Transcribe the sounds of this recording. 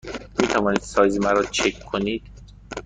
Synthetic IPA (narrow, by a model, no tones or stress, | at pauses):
miːt̪ʰævɒːniːd̪sɒːjzemæɾɒːt͡ʃʰekʰːoniːd̪̥